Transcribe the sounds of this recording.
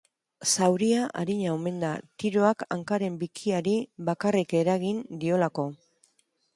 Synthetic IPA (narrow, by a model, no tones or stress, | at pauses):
sawɾiaʔa̰ɾiɲaome̞nd̪at̪iɾo̞aka̰ŋkaɾe̞mbikʰiaɾiβakarike̞ɾaɣind̪io̞lako̞